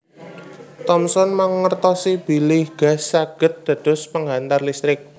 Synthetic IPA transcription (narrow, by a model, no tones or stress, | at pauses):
t̪ɔmsɔnmaŋːərt̪ɔsib̥i̤lɪhɡ̥a̤saɡ̥ə̤t̪̚d̪̥ä̤d̪̥ʊ̤spəŋɦant̪arlist̪ɾɪk̚